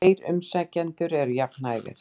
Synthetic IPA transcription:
jɾʏ̰msɛcːɛnt̪ʏɾɛɾjaknaːjɣɪ̰ɾ̥

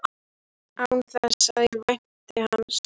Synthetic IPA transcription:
awnθɛsaðɪɾvajn̥t̪ɪhanːs

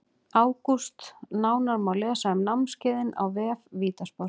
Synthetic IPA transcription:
aːwkust̪naːwnaɾmawlɛːsahɛmnamnscɪːðɪna̰wvɛːfviːt̪aspɔ

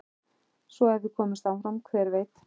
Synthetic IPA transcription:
svɔɛvðɪkʰɔːmɪst̪aːwfɾamkʰvɛːɾveːjt̪

